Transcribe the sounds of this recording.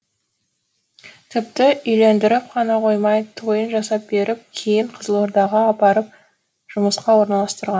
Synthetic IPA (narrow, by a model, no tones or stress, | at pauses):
t̪ʰɪp̚t̪ɪʏjle̞nd̪ɪɾɪp̚qʰɑnɑqʰo̞jmɑjt̪ʰo̞jənʒɑsɑp̚be̞ɾʔɪp̚kʲʰe̞jɪɴqʰəzəlˠoɾd̪ɑʁɑːpɑɾəp̚ | ʒ̥ʊməsqɑwo̞ɾnɑlˠɑst̪əɾʁɑn